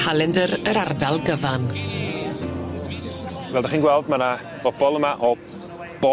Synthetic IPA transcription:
alˠɛndəɾəɾardalˠɡəvan | vɛːlˠdaχiːnɡwɛlˠdmana | b̥ɔbɔlˠəmaʔɔ | b̥ɔ

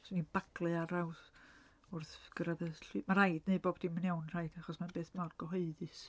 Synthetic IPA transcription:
snib̥aɡlˠɨaɾaws | ʊrθɡ̥əɾaðəɬimar̥ajdneɨboːb̥d̥imənɛwnr̥ajd̥aχɔsmanbeːθmarɡ̥ɔɦɔɨðɨs

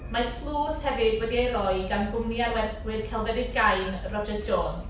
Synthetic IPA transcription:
matʰlˠuːshɛvɪdvwədiejɾɔjɡanɡʊmniarwɛθɡwɪrkʰɛlˠvɛdɪdɡajnrɔd͡ʒəsd͡ʒoːns

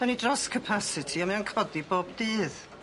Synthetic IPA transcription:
anidrɔskʰəpʰasɪtʰiamɛankʰɔdiboːbdɨːð

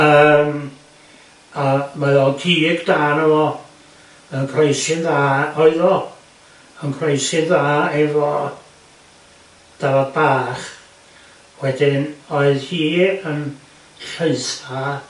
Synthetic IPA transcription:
əːm | amaɔkʰiːɡd̥aːnəvɔ | mɛnkʰrejsɪnðaːɔɨðɔ | ənkʰrejsɨnðaːɛvɔ | d̥avɔðbaːχ | wɛdɪnɔɨðhiːən | ɬəɨθa

